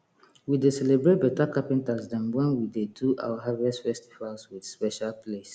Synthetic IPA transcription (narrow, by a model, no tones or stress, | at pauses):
widesɛlebɹet̚bɛtakapĩntasdãnwɛ̃nwideduʔa̰waɦavɛstfɛstivalswidspɛʃalpʰles